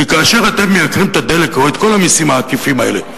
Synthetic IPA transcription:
ikaːʃe̞ʁat̪e̞mːeakʁimt̪ad̪e̞le̞kaoet̪ko̞lamisimaːkifimae̞le

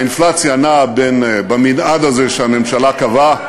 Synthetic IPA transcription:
inflat͡sjaːnabenbaminad̪azeʃeamemʃalakava

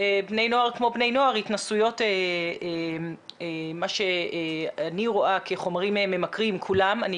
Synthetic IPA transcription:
ebne̞jno̞aʁkmo̞bnejno̞aʁitnasujo̞tee | maʃe̞ | aniʁo̞ʔakʰeχo̞maʁimmːe̞makʁimkʰulamani

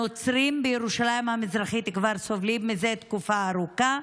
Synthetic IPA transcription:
ot͡sɾimbejeʁuʃalaimhamizʁaχit̪ikvaɾsovlimizet̪kufaːɾuka

